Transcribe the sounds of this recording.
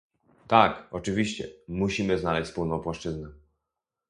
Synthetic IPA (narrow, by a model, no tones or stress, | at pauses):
t̪akɔt͡ʂɘvʲiɕt͡ɕɛ̰muɕimɘznalɛɕt͡ɕspulnɔ̃w̃pwaʂt͡ʂɘznɛ